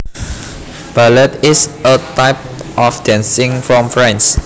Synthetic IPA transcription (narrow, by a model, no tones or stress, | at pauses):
b̥alət̪isət̪aɪp̚ʔɔfdãnsɪ̃ŋfɹɔ̃mfɹãns